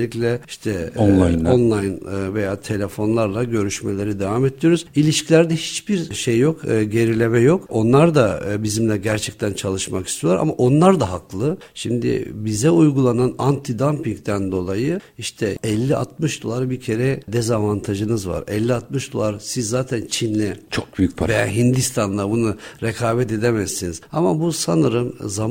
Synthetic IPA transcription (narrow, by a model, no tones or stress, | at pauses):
lʲicʲlʲɛiʃt̪ʰɛ | onlˠajnːvejaːt̪ʰe̞lʲe̞fo̞nlˠaɾlˠaɟø̞ɾyʃme̞lʲe̞ɾid̪evamed̪ijo̞ɾuzilʲiʃcʰilʲæɾd̪ɛhit͡ʃbiɾʃejːo̞kːɟe̞ɾilʲe̞mɛjo̞ko̞nlˠaɾd̪abizimlʲɛɟæɾt͡ʃʰɛc̚t̪ʰænt͡ʃʰalˠɯʃmakist̪ʰijoaɾa̰maʔo̞nlˠaɾd̪aɦaklˠɯ | ʃimd̪ɪ̰bizɛujɡulˠananant̪ʰid̪ampiŋkt̪ʰænd̪o̞lˠajɯiʃt̪ʰɛɛlʲːiʔa̰t̪̚mɯʃd̪o̞lˠaɾbiɾcʰe̞ɾɛd̪ezavant̪ʰaʒɯnɯzva̰ɾɛlʲːiat̪̚mɯʃd̪o̞̰lˠaɾsizːaːt̪ʰænt͡ʃʰinlʲɛt͡ʃʰok̚byjyc̚pʰveja̰ɦind̪ist̪ʰanlˠabunuɾekʰaːvɛt̪e̞d̪emɛzinizamabusanɯɾɯmzam